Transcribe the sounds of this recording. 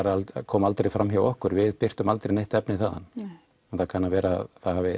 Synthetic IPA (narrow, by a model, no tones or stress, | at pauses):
aɾakʰɔːmalt̪ɾejfɾamçjawɔhkʏɾvɪðpɪr̥t̪ʏmalt̪ɾejnejht̪ɛpnɪθaːða̰n | ɛnθakʰanːavɛːɾaθaðhaːvɪ